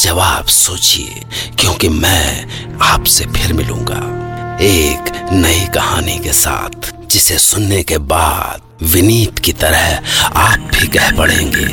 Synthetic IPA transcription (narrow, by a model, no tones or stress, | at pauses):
d͡ʒɐʋaːbsoːt͡ʃḭḛ | kjõːkimɛ̃aːpsepʰɪɾmɪlṵ̃ːŋɡa̰ːeːknɐikɐhaːnikesa̰ːt̪ʰ | d͡ʒɪsesʊnːekebaːd̪̚ʋɪniːt̪kit̪ɐɾəɦaːp̚bʱikɛɦpɐɽ̤ḛ̃ːŋɡḛː